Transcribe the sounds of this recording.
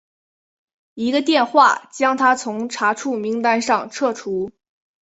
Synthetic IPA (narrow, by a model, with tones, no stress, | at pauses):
i˧˥ɡə˧t̪̬jɛ˥˧nxwa̰˥˩t͡ɕjɑ˥ŋt̪ʰa˥t͡sʰʊ˧˥ŋʈ͡ʂʰa˧˥ʈ͡ʂʰu˥˩mi˧˥ŋt̪a˥nʂɑ˥˧ŋʈ͡ʂʰɤ˥˩ʈ͡ʂʰu˧˥